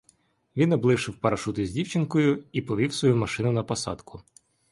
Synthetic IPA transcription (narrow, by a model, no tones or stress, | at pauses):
ʋʲinɔblˠɪʃɪwpɐɾɐʃut̪ɪzʲdʲiwt͡ʃɪnkɔjʊipɔʋʲiwsʋɔjumɐʃɪnʊnɐpɔsɑ̰d̪kʰʊ